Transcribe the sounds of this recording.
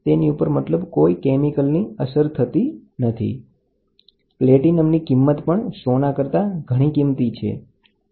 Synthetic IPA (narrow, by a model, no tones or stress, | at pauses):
t̪eniupəɾmət̪ləbkoikemikəlniəsəɾt̪ʰət̪inət̪ʰḭ | pleʈinəmnikimːət̪pəɳsonakəɾt̪aɡʱəɽ̃ikimt̪it͡ʃʰḛ